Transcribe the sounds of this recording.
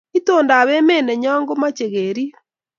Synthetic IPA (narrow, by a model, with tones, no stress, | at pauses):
i˦to˨nda˨βe˦me˦nɛ˨ɲɔː˦ŋɡo˦ma˦t͡ʃe˨ɣeɾi˦